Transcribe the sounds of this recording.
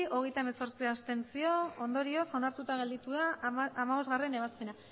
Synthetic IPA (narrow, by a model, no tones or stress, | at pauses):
ʔo̞ɣ̞e̞jt̪ae̞meso̞ɾt͡siast̪e̞nsio̞ond̪o̞ɾio̞so̞naɾt̪ut̪aɣ̞e̞ld̪it̪ueaːmaβo̞zt̪ɣare̞ne̞β̞aspena